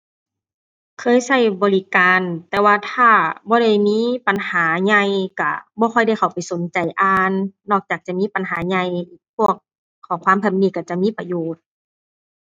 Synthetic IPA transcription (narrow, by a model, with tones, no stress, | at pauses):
kʰɤː˧˥˨jsa˧˥˩jbɔː˨˦li˧kaː˨nt̪ɛː˧waː˧t̪ʰaː˧˩bɔː˧˦ɾa˧˩jmiː˧˥˨pa˨nhaː˨˦ɲa˧jka˧˩bɔː˧˦kxʰɔ˧˩jda˧˩˨jkʰa˨˩wpa˨˩jso˨˦nt͡ɕa˨jʔaː˧nːɔː˧˩k̚t͡ɕaː˨˩k̚t͡ɕa˧˩miː˧˥˨pa˨nɦaː˨˦ɲa˧˩jʔiː˧˩pʰu˧˥˩ək̚ʰː | ɔː˨˦ŋkʰwaː˧˥˨mpʰɛ˧˩m̚niː˧˩ka˧˩t͡ɕa˧˩ʔmiː˧˥˨pa˧joː˨˩t̪̚